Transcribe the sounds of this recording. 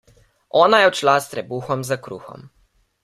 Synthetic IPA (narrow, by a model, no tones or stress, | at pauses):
ɔːnajɛwt͡ʃlast̪ɾɛbuːxɔmzakɾṵːxɔ̰m